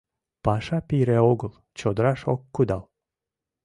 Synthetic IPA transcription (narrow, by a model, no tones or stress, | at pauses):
pɑʃɑpiɾæoɣəl | t͡ɕod̪əɾɑʃokːud̪ɑl